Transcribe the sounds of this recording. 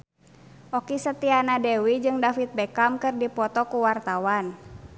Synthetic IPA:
ʔɔkisət̪ianadɛwid͡ʒɨŋdafit̪̚bɛkamkɨrdipɔt̪ɔkuwart̪awan

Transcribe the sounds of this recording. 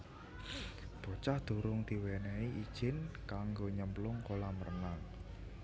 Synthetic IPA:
d̪̥o̤t͡ʃahd̪̥o̤ɾʊŋd̪̥i̤wɛnɛiʔid̥ʒ̥ɪnkaŋɡoɲəmplʊŋkolamərnaŋ

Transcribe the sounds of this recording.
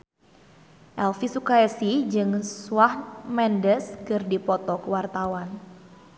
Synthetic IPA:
ʔɛlfisukaɛsid͡ʒɨŋsuwahmɛndəskɨrdipɔt̪ɔkəwart̪awan

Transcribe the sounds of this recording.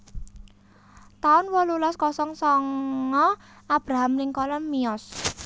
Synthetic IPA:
t̪aʊnwɔlulɔskɔsɔŋsɔŋɔ | ab̥ɾaɦamnɪŋkɔlɔmmiɔs

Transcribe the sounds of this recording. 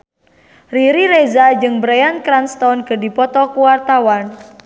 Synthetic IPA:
riɾiɾezad͡ʒɨŋbɾejankɾanst̪ɔnkədipɔt̪ɔkuwart̪awan

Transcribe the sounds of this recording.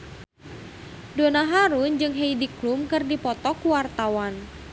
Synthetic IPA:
donaɦaɾund͡ʒɨŋɦeidiklumkɨrdipɔt̪ɔkuwart̪awan

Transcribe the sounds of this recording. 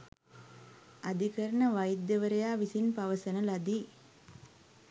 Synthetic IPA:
ad̪ikəɾənəʋajid̪jəʋəɾəjaːʋisinpaʋəsənəlad̪iː

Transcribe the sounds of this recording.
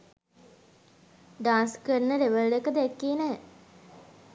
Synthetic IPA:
ɖaːnskəɾnəɾeʋəldekəd̪ækːiːnɛː

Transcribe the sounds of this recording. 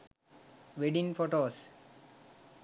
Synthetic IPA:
ʋeɖĩnfoʈoːs

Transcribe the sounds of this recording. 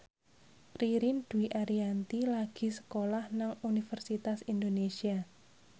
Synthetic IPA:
riɾind̪̥uiʔaɾiant̪ilaɡ̥i̤sə̥kolahnaŋunifərsit̪asind̪onesia

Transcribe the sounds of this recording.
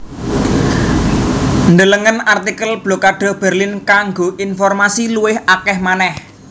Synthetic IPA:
nd̪ələŋənart̪ikəlb̥lokaɖ̥ɔ̤hb̥ɛ̤rlinkaŋɡoʔinfɔrmasiluwɪhakɛhmanɛh

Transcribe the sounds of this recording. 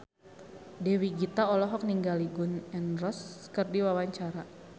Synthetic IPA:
dɛwiɡit̪aɔlɔɦɔk̚niŋɡaliɡʊnɛnrɔskərdiwawaɲt͡ʃaɾa

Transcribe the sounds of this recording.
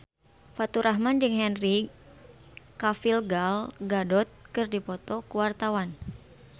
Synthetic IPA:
fat̪uɾaɦmand͡ʒɨŋɦɛnri | kafilɡalɡadɔt̪̚kɨrdipɔt̪ɔkuwart̪awan

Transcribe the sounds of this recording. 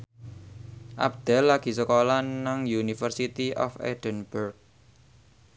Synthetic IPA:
ʔa̰b̚d̪̥ɛ̤lːaɡ̥i̤səkolanaŋjunifərsit̪iʔɔ̰fḛd̪̥ənb̥urk̚

